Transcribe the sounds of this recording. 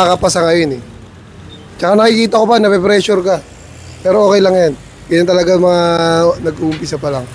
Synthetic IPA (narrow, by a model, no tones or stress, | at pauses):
akɐpɐsɐŋɐjo̞nɛ | t͡ʃɐkanɐkikiːt̪ɐkopanɐpɛpɾɛʃʊɾka | pɛːɾoʔoːkɛjlɐŋjan | ɡɐjɐnt̪ɐlɐɡamɐŋanɐɡʊʊmpɪsɐpɐlaŋ